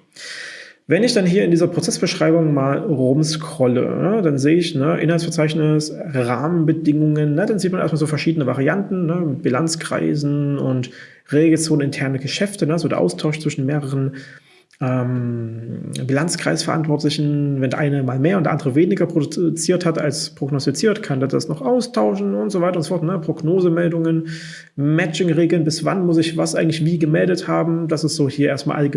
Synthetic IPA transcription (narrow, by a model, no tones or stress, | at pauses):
vɛnɪçd̥anɦiːɐɪndiːzɐpot͡sɛsb̥əʃʁ̥aɪbʊŋmaːlʁʊmskʁ̥ɔlə̰nəd̥anzeːəɪçnəʔɪ̰nhaltsfɛɐt͡saɪçnɪs | ʁaːmənbədɪŋʊŋənːədanziːt̚manʔḛɐstmalzoːfɛɐʃiːdənəvaʁiantn̩nəmɪt̚b̥ilant͡skʁ̥a̰ɪzn̩ʊ̰nt | ʁeːɡl̩t͡soːnnɪntʰɛɐnəɡəʃɛftənəzoːdeɐʔa̰ʊstʰaʊʃt͡sv̥ɪʃn̩meːʁəʁən | ʔɛːm | bilant͡skʁ̥a̰ɪsfɛɐʔa̰ntv̥ɔɐtlɪçn̩vɛndɛɐʔaɪnəmaːlmeːɐʊnd̥ɛɐʔandəʁəveːnɪɡɐpʁ̥odʊt͡siːɐthata̰lspʁ̥oɡnɔstit͡siːɐtkʰanduːdasnɔχʔaʊstʰaʊʃn̩ʊntz̥ovaɪtɐʊntzo̥fɔɐtnəpʁ̥oɡnoːzəmɛldʊŋən | mɛt͡ʃɪŋʁeːɡl̩nbɪsv̥a̰nmʊsɪçvasʔaɪɡŋ̩tlɪçv̥iːɡəmɛldəthaːbm̩dasɪstz̥oːhiːɐʔeːɐstma̰ːlʔa̰lɡ